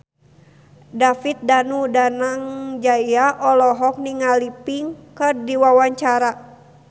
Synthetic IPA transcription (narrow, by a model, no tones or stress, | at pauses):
dafit̪̚danudanaŋd͡ʒajaʔɔlɔɦɔk̚niŋalipiŋkərdiwawaɲt͡ʃaɾa